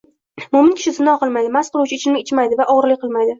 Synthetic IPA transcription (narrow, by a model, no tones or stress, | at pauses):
mʊmɪnkʲʰɪ̥ʃɪsɪnːɒhqɨlˠmajd̪ɪmasqʰɨlˠuwt͡ʃʰaɪt͡ʃʰɪlmɪɪt͡ʃʰmajd̪ɪvaʔɒʁɾlɪkʲqʰɨlˠmajd̪ɪ